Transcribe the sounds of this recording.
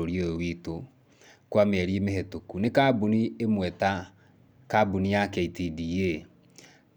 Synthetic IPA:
oɾjojowito | kwameɛɾemeɦɛtokunekabuniemwɛta | kabunijakɛitidie

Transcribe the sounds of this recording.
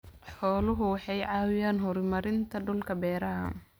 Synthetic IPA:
ħɔːlʊɦʊwɑħɑjʕɑːwɪjaːnɦɔɾmɐɾɪnt̪ʰɐɖʊlkʰɐbɛːɾɐɦɐ̰

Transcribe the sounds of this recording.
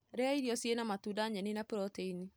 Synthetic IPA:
ɾeaiɾiɔsienamatudaɲɛninapɾɔteini

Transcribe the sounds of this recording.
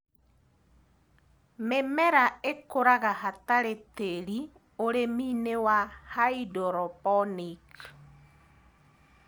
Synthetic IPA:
memɛɾaekoɾaɣahataɾeteɾi | oɾemiːnewahaidɔɾɔpɔnik

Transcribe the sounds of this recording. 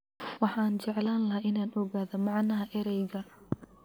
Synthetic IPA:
wɑħɑːnt͡ʃɛʕlaːnlɐɦaːʔɪnaːnʔɔɣaːðɐmɑʕnɐɦɐʔɛɾɛjɣɐ

